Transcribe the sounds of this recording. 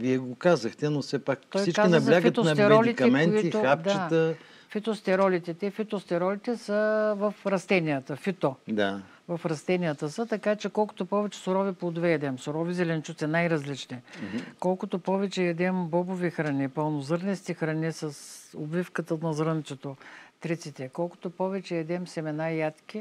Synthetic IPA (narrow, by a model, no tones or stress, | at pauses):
viɛɡokazɐxt̪ɛnofsɛpakt̪ɔsjit͡ʃkainɐzbʲaɡfət̪onɐt̪ɛmɾɛɔlit̪kɐkmɛnotiit̪oʊxad̪t͡ʃat̪ə | fit̪ost̪ɛɾɔlit̪ɛt̪ɛfit̪ost̪ɛɾɔlit̪ɛsəvəfɾɐst̪ɛnijət̪əfit̪od̪a | vɐfɾɐst̪ɛnijət̪əsət̪ɐkat͡ʃɛkɔlˠko̥t̪opɔvɛt͡ʃɛ̥soɾɔvipod̪vɛɛd̪ɛmsoɾɔvizɛlɛnt͡ʃut̪sɛnajɾɐzlit͡ʃnɛkɔlˠkʊt̪opɔvɛt͡ʃɛɛd̪ɛmbɔbovixɾɐnʲipəlˠnozɤɾnɛst̪ixɾɐnisɐsobvifkət̪ənɐzɾənt̪sɛt̪ot̪ɾit̪sit̪ɛkɔlˠkʊ̥t̪opɔvɛt͡ʃɛɛd̪ɛmsɛmɛnajat̪k̟ʲi